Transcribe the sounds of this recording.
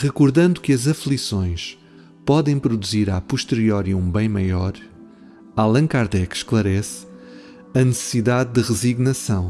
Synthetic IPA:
ʁɨkuɾðɐ̃nd̪ukɨɐzɐflˠisõj̃ʃ | pɔðɐ̃j̃pɾud̪uziɾapuʃt̪ɨɾiɔɾiũbɐ̃j̃mɐjɔɾ | alˠɐ̃ŋkaɾðɛkʃklˠɐɾɛs | ɐnɨsɨ̥siðaðdɨʁɨziɣnɐsɐ̃w̃

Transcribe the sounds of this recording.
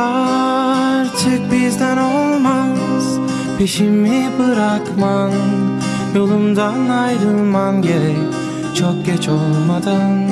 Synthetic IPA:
a | ɾt͡ʃʰɯk̚bizd̪ænolˠmaz̥ | piʃimibɯɾakman | jo̞lˠumd̪anajɾɯlˠmanɡʲeɾɛc̚ʲ | t͡ʃʰok̚ɟɛt͡ʃolˠmad̪an

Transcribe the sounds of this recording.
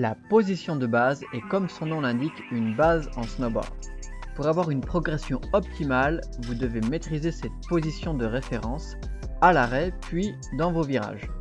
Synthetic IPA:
lapozisjɔ̃d̪əbazɛkɔmsɔ̃nɔ̃lɛ̃d̪ikynbazɑ̃snobɔ̰ʁd̪̥puʁavwaʁynpχɔɡʁɛsjɔ̃ɔp̚t̪imal | vud̪əvemet̪χizesɛt̪̚pozisjɔ̃d̪əʁefeʁɑ̃s | alaʁɛpɥi | d̪ɑ̃voviʁa̰ʒ

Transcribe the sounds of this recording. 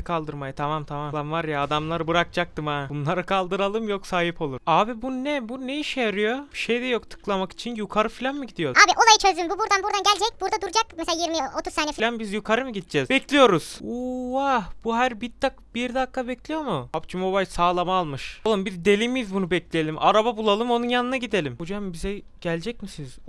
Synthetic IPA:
kʰalˠd̪ɯɾmajat̪ʰamamt̪ʰamamˠanvaɾjaːd̪amlˠaɾɯbɯɾak̚d͡ʒʰak̚t̪ɯmabunlˠaɾɯkʰalˠd̪ɯɾalˠɯmjoksaːɦipʰo̞lˠuɾaːbibunnɛbunejiʃɛjaɾɯjoʃejd̪ɛjokt̪ʰɯ̥klˠamaki̥t͡ʃʰinjukʰaɾɯfilʲanmɯɟid̪ijo̞aːbiʔo̞lˠajɯt͡ʃʰø̞zd̪ymbubuɾd̪anbuɾd̪anɟælʲd͡ʒɛc̚buɾd̪ad̪uɾd͡ʒakmɛsɛlajiɾmiot̪ʰuzsaːnɛfilʲanbizjukʰaɾɯmɯɟit̪̚d͡ʒɛzbɛclʲijo̞ɾuz̥uwahb̥uɦæɾbit̪ʰːakb̥iɾd̪akːabɛclʲijo̞muapd͡ʒʰimo̞βajsaːlˠamaːlˠmɯʃlˠɯmbiɾd̪e̞lʲimijizbunubɛclʲejelʲimʔaɾababulˠalˠɯmo̞nunjanɯnaɟid̪e̞lʲimhod͡ʒambizɛ | ɟ̥ælʲd͡ʒɛc̚misiniz̥

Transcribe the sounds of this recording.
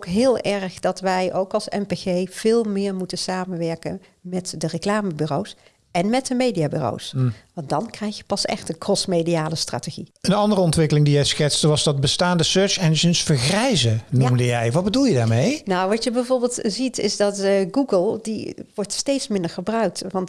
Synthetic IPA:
okɦɪːlˠɛrχdɑtʋɛjʔowkɑlˠsɛ̰mpeɣejv̥ɪːlˠmɪːɹmutənsaːmənʋɛɹkə̰n | mɛtdərəklaːməbyro̰ws | ɛnmɛt̚dəmejdiaːby̰ro̰wsʋɑntdɑnkrɛjxjəpɑsɛ̰xtənkʰɔsmejdijaːləstra̰ːteɣiənɑndərəɔntʋɪkəlɪŋdijɛjsxɛtsdəʋɑzdɑd̚bəstaːndəsøːt͡ʃɛnəʒənsfəɹχrɛjzənmdəjɛjʋɑdbədulˠjədaːɹmejnawʋɑtjəbɛjvoːɹbɪːlˠtzitɪzdɑtɡuɡəlˠdḭʋɔɹtstejtsmɪndəɹχəbrœɥk̚tʋɑnt

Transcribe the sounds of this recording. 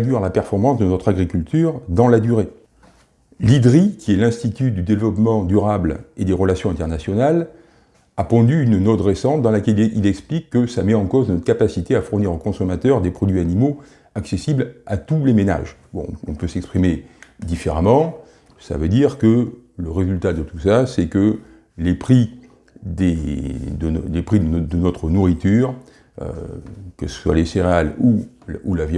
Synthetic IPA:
d̪yʁlapɛʁfɔʁmɑ̃sd̪ənɔt̪χaɡʁikʲylt̪ʰyʁd̪ɑ̃lad̪yʁe | lid̪ʁikʲiɛlɛ̃st̪it̪yd̪yd̪evlɔpmɑ̃d̪yʁabled̪eʁəlasjɔ̃ɛ̃t̪ɛʁnasjɔnal | apɔ̃d̪yːnnɔt̪ʁesɑ̃t̪̚d̪ɑ̃lakɛlḭlɛksplikːəsamɛɑ̃koznɔt̪χkapasit̪eafuʁniʁokɔ̃sɔmat̪œʁd̪epχɔd̪ɥianimo | aksesiblat̪ulemena̰ʒbɔ̰̃ɔ̃pøsɛkspχimed̪ifeʁamɑ̃ | sa̰vød̪iʁkələʁezylt̪ad̪ət̪usasɛkə | lepχi | d̪ed̪əlepχid̪d̪ənɔt̪χənuʁit̪yːʁ | ø̰kɛlsə̥swa̰leseʁealuulavj

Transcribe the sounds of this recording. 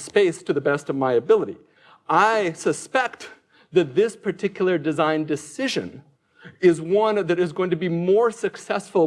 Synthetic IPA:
speɪstʰɨðɨbɛstʌvmaɪɨbɪlˠəɾḭ | ʔaɪsɨspɛk̚t̪ | ðɨt̪̚ðɪspʰə˞tʰɪkjl̩ˠə˞dɨzãɪ̃ndɨsɪʒɨ̰̃n | ɪzwʌ̃nðɨɾɨzɡoʊɪ̃ŋtɨbimɔɹsɨksɛsfl̩ˠ

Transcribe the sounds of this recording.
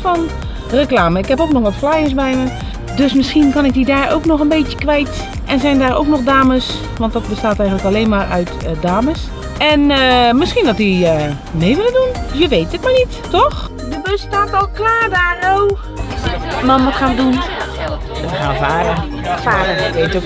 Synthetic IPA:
fɔn | rəklaːməɪkhɛpoːknɔxʋɔtflajəs̬bɛjmə | døsmɪsxinkɔnɪk̚didaːro̰wknɔxənbeːtjə̥kʋɛjt | ʔɛnsɛjndaːɾo̰wknɔxdaːməs | ʋɔnt̚dɔt̚bəstaːtɛjɣənləkaleːnmaːrœɥtdaːməs | ɛnəmɪsxindɔtiə | meːʋɪləndunsjəʋejtətmanitː | ɔx | dəbøstaːtɔlˠklaːdaːrow | mamʋɔtxaːədun | əəxavaːɾə | afaːɾəʋeːto

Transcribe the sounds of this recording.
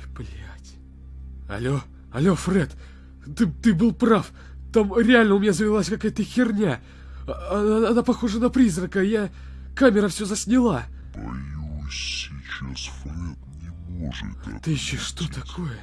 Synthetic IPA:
plʲatʲ | ɐ̰lʲo | ɐlʲo̞frɛt̪ | t̪ɨt̪ɨbɨlˠpraf | t̪amɾʲɪalʲnəʊmʲɪnʲazəvʲɪlˠasʲkɐkajət̪əxʲɪrnʲa | aɐnapɐxo̞ʐənɐpɾʲizrəkəja | kamʲɪɾəfsʲozəsʲnʲɪlˠa | ɐ̰jusssʲɪt͡ɕasfrɛt̪̚nʲɪmoʐɨ̰t̪ɨɕːoʂt̪ot̪ɐkʰojə

